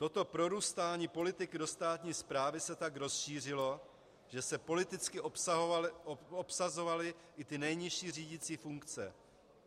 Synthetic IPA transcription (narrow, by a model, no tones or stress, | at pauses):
t̪o̞t̪o̞pɾo̞ɾuːst̪aːɲiːpo̞lɪt̪ɪkɪdo̞st̪aːt̪ɲiːspɾaːvɪsɛt̪akɾo̞sʃiːr̝ɪlo̞ | ʒ̥ɛsɛpo̞lɪt̪ɪt͡skɪʔos | opsazo̞valɪ | ʔɪt̪ɪnɛjɲɪʃiːr̝iːɟɪt͡siːfuŋkt͡sɛ̰